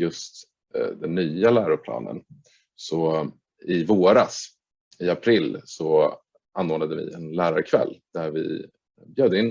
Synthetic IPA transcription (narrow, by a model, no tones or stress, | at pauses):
jɵst̪ | d̪ɛnːyːalæːɾʊɾpʰlɑ̰ːnə̰n | sɔ | ɪvoːɾas | ɪapʰɾɪlːsɔ | ʔanːoːnad̪əvɪ̰ɛnlæːɾaɾkʰvɛ̰lːd̪̥æɾvɪ̰ | bjøːd̪əɪnː